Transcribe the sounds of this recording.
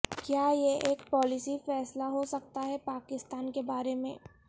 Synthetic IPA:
kjaːjeʔeːkpɔːlɪsifɛːslaɦosɐk̚t̪aɦɛpaːkɪst̪aːnkebaːɾemẽː

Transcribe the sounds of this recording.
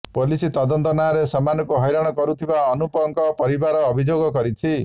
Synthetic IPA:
polisit̪ɔd̪ɔnt̪ɔnaɾesɔmanɔkoɦɔjɾaɽ̃ɔkɔɾut̪ʰibaɔnupɔŋkɔpɔɾibaɾɔːbʱid͡ʒoɡɔkɔɾit͡ʃʰi

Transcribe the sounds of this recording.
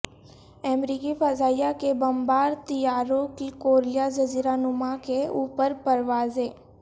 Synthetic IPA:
ɛːmɾiːkifəzaːijakebɐmbaːɾt̪ijaːɾõkikoːɾɪjazəziːɾanʊmakeuːpəɾpəɾʋaːzeː

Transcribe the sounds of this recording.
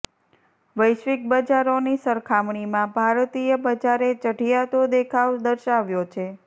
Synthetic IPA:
ʋəjʃʋik̚bəd͡ʒaɾonisəɾkʰamɳimãbʱaɾt̪ijəbəd͡ʒaɾet͡ʃəʈijat̪od̪ekʰaʋd̪əɾʃaʋjot͡ʃʰe

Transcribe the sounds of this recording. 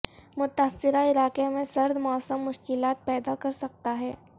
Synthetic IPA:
mʊt̪aːsːɪɾaɪlaːqemẽsɐɾd̪mɔːsəmːʊʃkɪlaːt̪̚pɛːd̪akɐɾsɐk̚t̪aɦɛː

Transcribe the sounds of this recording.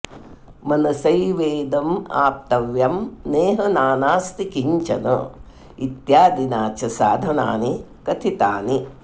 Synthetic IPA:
mɐnɐsɐjʋeːd̪ɐma̰ːp̚t̪ɐʋjɐmneːɦɐnaːnaːst̪ikiɲt͡ʃɐ̰nɐ̰ | it̪jaːd̪inaːt͡ʃɐsaːd̪ʱɐna̰ːni | kɐt̪ʰit̪aːni

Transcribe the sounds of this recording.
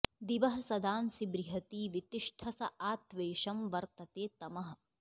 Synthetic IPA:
d̪iʋɐɦɐsɐd̪aːmsibɾiɦɐt̪iːʋit̪iʂʈʰɐsɐʔaːt̪ʋeːʃɐmʋɐɾt̪ɐt̪eːt̪ɐmɐɦɐ̆

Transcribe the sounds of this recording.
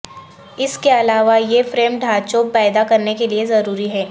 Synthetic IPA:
ɪskeɐlaːʋajefɾeːmɖʱaːt͡ʃoːpɛːd̪akɐɾnekeliezɐɾuːɾiɦɛː

